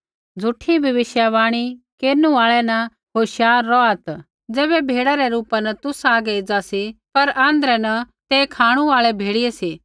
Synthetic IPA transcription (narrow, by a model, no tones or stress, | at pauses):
d͡zʱʊʈʰːibʱɐʋɪʃjaʋaːɽ̃ikeːɾnũaːɭɛnɐ | ɦoːʃjaːɾːɔat̪ | d͡zɛːβɛbʱeːɽaɾɛɾuːpanɐt̪ʊsaːɡɛid͡zasipɐɾãːnd̪ɾɛnɐ | t̪eːkʰaːɽ̃uaːɭɛbʱeːɽɪjesi